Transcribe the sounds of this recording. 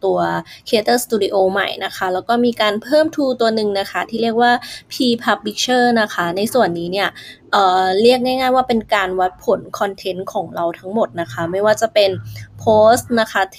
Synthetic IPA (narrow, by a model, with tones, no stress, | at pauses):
t̪u˧ɐkʰeː˦˥t̪ːst̪uː˧di˧ʔoː˧ma̰˨˩jna˦˥kʰa˦˥lɛː˦˥wkɔː˥˩miː˧kaː˧npʰɤː˥˩mt̪ʰuː˧t̪u˧ɐnɯ˨˩ŋna˦˥kʰa˦˥t̪ʰiː˥˩ɾi˥˩ək̚waː˥˩pʰiː˧pʰa˦˥p̚pi˦˥k̚t͡ɕʰɤː˥˩na˦˥kʰa˦˥na˧jsu˨˩ənːiː˦˥ni˥˩ɐʔɤː˨˩ɾi˥˩ək̚naː˥˩jŋaː˥˩jwaː˥˩pe˧nkaː˧nwa˦˥t̪̚pʰo˩˦nkʰɔ˧nt̪ʰe˦˥nkʰɔː˩˦ŋɾa˧wt̪ʰa˦˥ŋmo˨˩t̪̚na˦˥kʰa˦˥ma˥˩jwaː˥˩t͡ɕa˨˩pe˧npʰoː˦˥st̪̚na˦˥kʰa˦˥t̪ʰ